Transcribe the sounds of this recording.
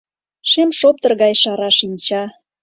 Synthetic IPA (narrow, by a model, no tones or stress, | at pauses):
ʃemʃop̚t̪ə̆rɣɑjʃɑɾɑʃinʲt͡ɕɑ